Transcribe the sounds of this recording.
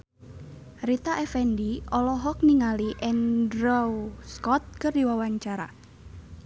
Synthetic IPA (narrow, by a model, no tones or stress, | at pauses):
rit̪aʔɛfɛndiɔlɔɦɔk̚niŋaliʔɛndɾɔwskɔt̪̚kərdiwawaɲt͡ʃaɾa̰